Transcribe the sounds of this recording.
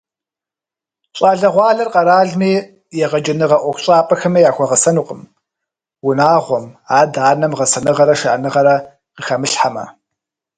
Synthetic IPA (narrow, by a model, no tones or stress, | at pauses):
ɕʼɑːɮɐʁʷɑːɮɐrqʼɐɾaːɮmiː | jɛʁɐd͡ʒɐnɨʁɐʔʷɔkʷɕʼaːpʼɐxɐmɐjaːxʷɔʁɐsɐnuːqʼəm | wʊnaːʁʷɔmaːdaːnɐmʁɐsɐnɨʁɐɾɐʃɐʔɐnɨʁɐɾɐ | qəxɐmɨɬħamɐ̰